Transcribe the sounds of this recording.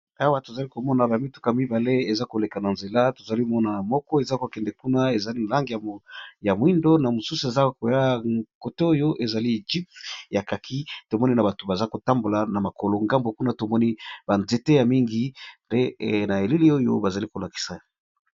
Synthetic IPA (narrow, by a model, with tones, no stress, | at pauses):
a˦wa˦to˨za˨li˦ko˨mɔ˦na˨na˨mi˦tu̥˨ka˨mi˦ba˨le˦e˨za˦ko˨le˨ka˨na˨nze˨la˦to˨za˨li˦mɔ˦na˨na˨mɔ˦kɔ˦e˨za˦ko˨kɛ˨ndɛ˨ku˦na˦e˨za˨li˦n˨la˦ŋɡi˨ja˨ja˨mwi˦ndo˦na˨mo˨su˦su˨e˨za˦ko˨ja˦ko˨to˦o˦jo˦ʔe˨za˨li˦˨d͡ʒi˦pja˨ka˨kʰi˦to˨mɔ˦ni˦na˨ba˨to˨ba˨za˦ko˨ta˦mbo˨la˨na˨ma˨ko˨lo˨ŋɡa˦mbo˨ku˦na˦to˨mɔ˦ni˦ba˨nze˨te˦ja˨mi˦ŋɡi˨nde˦na˨e˨li˦li˦o˦jo̰˦ba˨za˨li˦ko˨la˨ki̥˨sa˨